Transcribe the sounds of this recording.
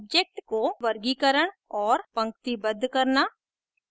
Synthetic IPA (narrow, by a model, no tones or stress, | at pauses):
b̚d͡ʒek̚ʈkoʋɐɾɡikəɾəɽ̃ɔːɾpɐ̃ŋkt̪ibəd̪ʱːkɐɾnaː